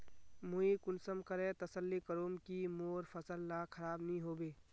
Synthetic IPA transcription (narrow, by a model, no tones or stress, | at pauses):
muikʊnsəmkəɾẽt̪əsəlːikəɾoːmkimoːɾpʰəsəlːakʰəɾaːbnĩɦoːbeː